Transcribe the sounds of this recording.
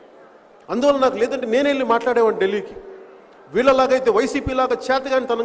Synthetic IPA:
ɐnd̪uʋaːlːɐnaːkulɛːd̪ɐɳʈ̬eːneːneɭːimaːʈlaːɽɛːʋaːɳʈɖelːiːki | ʋiːɭːɐlaːɡɐjt̪eːʋɐjsiːpiːlaːɡaːt͡ʃɛːt̪ɐɡaːnit̪ɐnɐ

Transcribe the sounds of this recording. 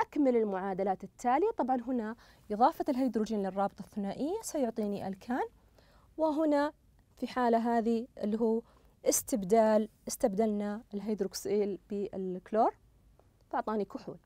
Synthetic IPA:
ʔakmalɪlmʊʕaːd̪alaːt̪ɪt̪ʰːaːlɪjat̪ˤɑbʕɑnɦʊna | ʔɨðˤɑːfɑt̪ɪlɦajd̪ɾud͡ʒiːnlɪrˤːɑːbt̪ˤɑθːʊnaːʔɪjːasˤɑjʊʕt̪ˤiːniʔa̰lkʰaːn | wɪɦʊna | fiħaːlaɦaːðiʔɪlːɦuː | ʔɪst̪ɪbd̪aːlʔɪst̪abd̪alnaɪlɦajd̪ɾuksʔiːlbiɪlkloːɾˤ | fɑʕt̪ˤɑːnikʊħṵːl

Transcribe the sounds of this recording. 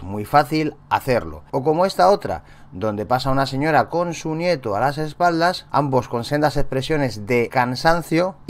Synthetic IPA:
mujfaθila̰θeɾlo̰okomoest̪aot̪ɾa̰ | d̪õnd̪epasaunaseɲoɾakonsunjet̪oalasespald̪asa̰mboskonsend̪asespɾesjonezðekansan̟θjo

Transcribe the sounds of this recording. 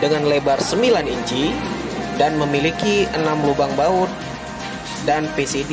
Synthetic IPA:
dəŋanlebarsəmbilaniɲd͡ʒi | danməmilikiənamlubaŋbaʊt̪̚ | danpesedi

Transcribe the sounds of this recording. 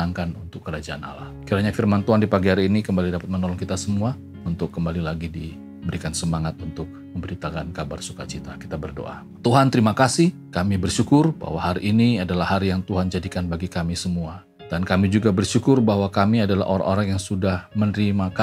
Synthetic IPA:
aŋkanunt̪ʊkːəɾad͡ʒaʔana̰la̰hkiɾaɲafirmant̪uɦandipaɡiɦaɾiinikəmbalidapat̪̚mənɔlɔŋkit̪asəmua | unt̪ʊkːəmbalilaɡidi | bəɾikansəmaŋat̪̚unt̪ʊk̚məmbəɾit̪akankabarsuka̰t͡ʃit̪akit̪abərdo̰ʔa̰ | t̪uɦant̪əɾimakasihkamibərʃukʊrba̰hwaɦaɾiʔːniadalahaɾijaŋt̪uɦand͡ʒadikanbaɡikamisəmua | d̥ankamid͡ʒuɡabərʃukʊrbahwakamiadala̰hʔo̰ɾa̰ŋʔoɾaŋjaŋsudahmənɾimaka

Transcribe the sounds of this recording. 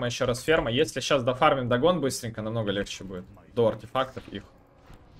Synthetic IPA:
məjɪɕːo̞ɾasfʲe̞rməjesʲlʲɪɕːasd̪ɐfarmʲɪmd̪ɐɡo̞nbɨst̪ɾʲɪŋʲkənɐmno̞ɡəlʲext͡ɕɪbudʲɪt̪̚d̪oɐrtʲɪfakt̪əfḭx

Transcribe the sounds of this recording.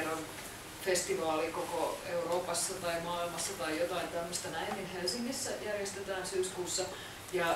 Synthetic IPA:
ron | fest̪iʋɑːlikokoeuroːpɑsːɑt̪ɑimɑːilmɑsːɑt̪ɑijjot̪ɑint̪æmːøst̪ɑnæinninhelsiŋːisːæjærjest̪et̪æːnsyːskuːsːɑ | jɑ

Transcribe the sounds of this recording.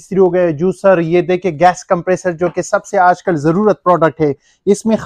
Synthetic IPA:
st̪ɾiɦoːɡɐjed͡ʒuːsəɾjeːd̪eːkʰeɡɛːskɐ̃mpɾeːsəɾd͡ʒoːkesɐbseaːd͡ʒkəlzɐɾuːɾət̪̚pɾɔːɖək̚ʈɦɛː | ɪsmẽx

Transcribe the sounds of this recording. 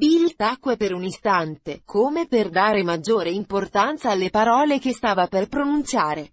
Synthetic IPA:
bilt̪akːwepeɾunist̪ant̪ekʰomeperd̪aːɾemad͡ʒːoːɾeimport̪ant̪saːlːepaɾɔːlekest̪aːvaperpɾonunt̪t͡ʃjaːɾe

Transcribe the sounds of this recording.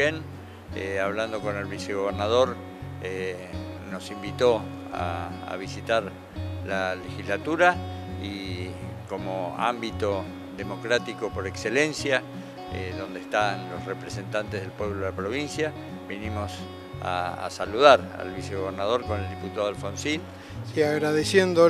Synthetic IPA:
en | eaβland̪o̞ko̞ne̞lβiseɣ̞o̞β̞eɾnað̞o̞ɾ | e | no̞simbit̪o̞ | a̰a̰β̞isit̪aɾ | lalexizlat̪uɾai | ko̞moa̰mbit̪o̞ | ðemo̞kɾat̪iko̞po̞ɾekselẽnsja | eðo̞nd̪est̪anlo̞srepɾese̞nt̪ant̪ezð̞e̞lpwe̞βloðelapɾo̞β̞insja | βinimos | a̰saluðaɾa̰lβiseɣoβ̞eɾnað̞o̞ɾko̞neld̪iput̪aðalfonsil | siaɣɾaðesjend̪o

